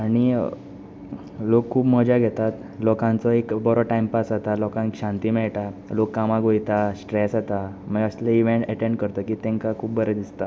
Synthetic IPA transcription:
aɽ̃i | lokʰːuːbməd͡ʑaɡʱet̪at̪ | lɔkãnt͡sɔekbɔɾɔʈajmpasat̪alɔkãnkɕãnt̪iːmɛɭʈalokːamaɡʱojt̪asʈɾesat̪aməɡəslaiʋeɳʈəʈẽɳɖkəɾt̪əkiːt̪ɛ̃ŋkakʰuːb̚bəɾəd̪ist̪a

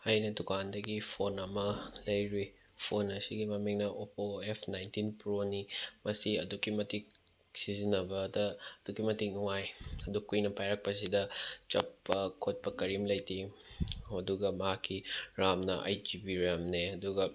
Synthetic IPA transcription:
ɐjnɐdukʰandɐɡipʰonɐmɐlɐjɾi | pʰonɐsiɡimɐmiŋnɐʔopoepʰnajntinpɾonimɐsiɐ̰dukimɐtik̚ | sizinːɐbɐdɐɐdukimɐtik̚nuŋajɐdukujnɐpajɾɐk̚pɐs̬idɐt͡ʃɐpːɐkʰot̚pɐkɐɾimlɐjtʰi | ɐduɡɐmɐɦakʰːiɾamnɐʔa̰jd͡ʒibiɾamneɐduɡɐ

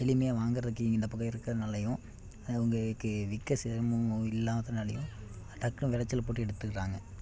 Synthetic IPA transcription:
ɛlɪmɐjaːʋaːŋɡɯɾɐðɯkːɯɪŋɡɐɪnd̪ɐpʊɣɐɪɾɯkːɐðɐnɐlːɐjʊ̃ | ʊŋɡɐkːɯʋɪkːɐsɪɾmɯ̃ɪlːaːmɐðɐnɐlɐjʊ̃ | ʈ̪ɐkːʊ̃ʋɪɾɐt͡ʃːɐlpoːʈːɯɛɽɯt̪ːɯkːɪɾaːŋɡɐ

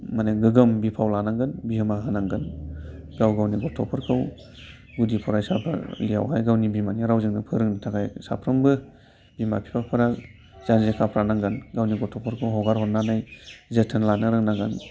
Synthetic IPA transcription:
maneɡɯɡɯmbipʰawlanaŋɡɯnbiɦɯmaɦanaŋɡɯnɡawɡawniɡɔtʰɔpʰɯɾkʰɯw | ɡudipʰɔɾajsapʰɯ̰lija̰wɦajɡawnibimaniɾawzɯŋnɯpʰɯɾɯŋnitʰaɡajsa̰pʰɾɯmbɯ | bimapʰi̥pʰapʰɯɾa | zanzekʰapʰɾanaŋɡɯnɡawniɡɔtʰɔpʰɯɾkʰɯwɦɔɡaɾɦɔtnanajzɯtʰɯnlanɯɾɯŋnaŋɡan

